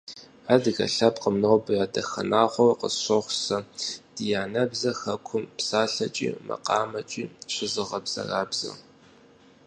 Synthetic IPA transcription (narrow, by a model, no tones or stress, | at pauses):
aːrdɨɣɐ̰ɬɐpqəmnɐwbɨjaːdɐxɐ̰naːχʷɔrqə̰ɕoχʷsɐd̥ijaːnɐbzɐxɐkʷʰʊmpsaːɬɐt͡ʃʼḭːmɐ̰qɑːmɐt͡ʃʼiːɕɪzɨʁɐbz̥ɐ̰raːbz̥ɐ̰